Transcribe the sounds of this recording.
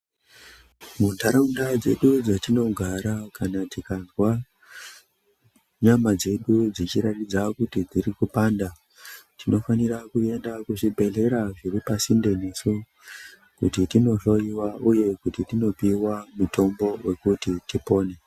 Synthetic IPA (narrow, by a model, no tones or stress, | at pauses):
muntaɾaundad͡ze̞̰ɗud͡zatino̞ɡʱaɾakanatikanzwa | ɲamad͡ze̞ɗud͡zit͡ʃiɾatid͡zakutid͡ziɾikupaːnda | tino̞fanirakue̞ndakuʐibʱe̞ɮe̞ɾaʐiripasinde̞nesu | kṵtitino̞ro̞iwauje̞kutitino̞piwamutʰo̞mbo̞we̞kutitipo̞ːne̞